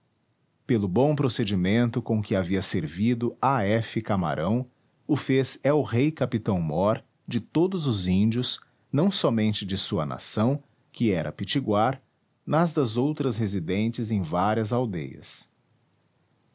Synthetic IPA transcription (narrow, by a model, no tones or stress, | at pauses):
pelʊbõw̃pɾosed͡ʒimẽnt̪ʊkõkɪaviɐseɾvid̪ʊaɛfɪkama̰ɾʔɐ̃w̃ | ʊfezɛʊʁejkapit̪ɐ̃w̃mɔɾ | d͡ʒɪt̪od̪ʊzʊzĩnd͡ʒiʊs | nɐ̃w̃sɔmẽnt͡ʃɪd͡ʒɪsuɐ̰nʔa̰sɐ̃w̃ | kɪɛɾʔɐ̰pit͡ʃiɡwaɾ | nɐzd̪ɐzowt̪ɾɐsɦezid̪ẽnt͡ʃɪzẽj̃vaɾiɐzawd̪ḛjɐ̰s